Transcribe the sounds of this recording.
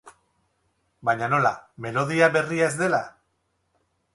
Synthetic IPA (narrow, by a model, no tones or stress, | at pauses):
baɲano̞lame̞lo̞ðiaβe̞riae̞zd̪e̞la